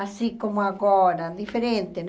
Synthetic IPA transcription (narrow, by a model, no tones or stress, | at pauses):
asikomoaɣɔɾad̪ifeɾent̪en